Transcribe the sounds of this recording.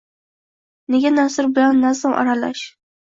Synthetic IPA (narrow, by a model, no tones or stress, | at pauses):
ne̞ɡʲanasʊɾbɪlanːasaŋʔa̰ɾala̰ʃ